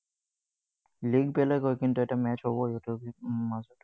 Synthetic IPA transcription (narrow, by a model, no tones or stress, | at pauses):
liɡpɛlɛkojkintuɛtamɛt͡ʃɦobɔjɛtumazɔt